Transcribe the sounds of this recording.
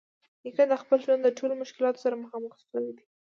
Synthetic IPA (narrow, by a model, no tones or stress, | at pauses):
jikad̪əxpəlʒwand̪d̪əʈʰolomʊʃkɪlɑt̪o̥saɾaməxɑməxsəwid̪i̥